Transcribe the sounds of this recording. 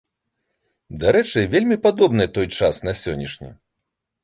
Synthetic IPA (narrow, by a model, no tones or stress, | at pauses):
d̪aɾɛt͡ʂɨvʲelʲmʲipad̪ɔbnɨjɛt̪ɔjt͡ʂasnɐsʲɔnʲːiʂnʲḭ